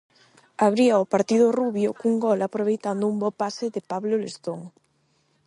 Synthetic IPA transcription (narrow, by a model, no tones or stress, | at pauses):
aβ̞ɾiaopaɾt̪iðʊruβjokuŋɡɔlapɾoβ̞ejt̪and̪ʊumbɔpaseðepaβlolest̪oŋ